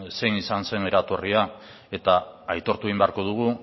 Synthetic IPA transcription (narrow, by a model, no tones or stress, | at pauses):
se̞jnisanse̞ne̞ɾat̪o̞ria | e̞t̪aajt̪o̞ɾt̪ueimbeaɾko̞ð̞uɣ̞u